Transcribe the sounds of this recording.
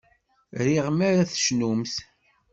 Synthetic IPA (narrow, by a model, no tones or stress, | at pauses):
ɾiʁmæɾæθʃnumθ